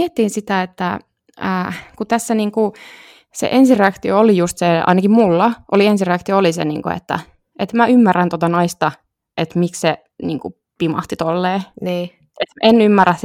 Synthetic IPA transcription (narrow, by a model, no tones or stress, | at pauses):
iet̪ːiːnsit̪æet̪ːæ | əːkut̪æsːæniːŋku | sḛʔensireɑkt̪ioolijust̪seɑ̰inɑkimmulːɑʔo̰liensireɑkt̪ioolisḛnḭːŋko̰ḛt̪ːæ̰ | et̪mæymːærænt̪ot̪ɑnɑist̪ɑ | ʔet̪miksse | niːŋku | pimɑ̰ht̪it̪olːeːnː | et̪enymːærːæs